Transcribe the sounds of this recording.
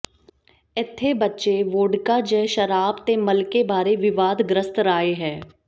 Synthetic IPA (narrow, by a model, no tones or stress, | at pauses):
ɪt̪ʰːebətːʃeʋoːɖkad͡ʒɛːʃəɾaːbt̪eməlkebaːɾeʋɪʋaːd̪ɡɾəst̪ɾaːeɦɛ̃ː